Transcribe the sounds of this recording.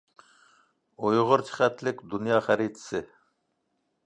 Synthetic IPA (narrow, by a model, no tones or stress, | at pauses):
ojʁʊɾt͡ʃʰi̥χæt̪ʰlɪkʲd̪unjɑːχæɾit̪ʰɪ̥sɪ